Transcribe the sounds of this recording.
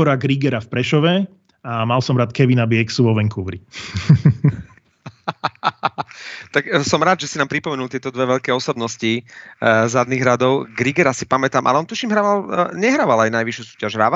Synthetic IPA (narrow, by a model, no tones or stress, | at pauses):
ɔɾaɡɾiɡɛɾafpɾɛʃɔʋɛ | amalsɔmɾaːt̪kɛʋinabiɛksuʋɔʋɛŋkuʋɾi | t̪aksɔmɾaːd̪ʒɛsinaːmpɾipɔmɛnulˠt̪ɪɛt̪ɔd̪ʋɛʋɛʎkɛːɔsɔbnɔsci | zad̪niːɣɦɾad̪ɔʊɡɾiɡɛɾasipamɛt̪aːmʔalɛɔnt̪uʃimɦɾaːʋalɲɛɦɾaːʋalajnajʋiʃjusuːcaʒɦɾaːʋa